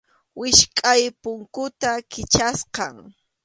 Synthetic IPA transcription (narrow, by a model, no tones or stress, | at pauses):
wɪʃkʼajpʊŋkʊt̪akɪt͡ʃasqɑŋ